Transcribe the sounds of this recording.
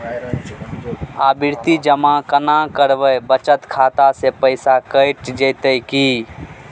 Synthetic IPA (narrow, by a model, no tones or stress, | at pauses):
aːbɪɾt̪id͡ʒəmãkənakəɾʋəbət͡ʃət̪kʰaːt̪asepəɪsakəɪʈd͡ʒeːt̪əjki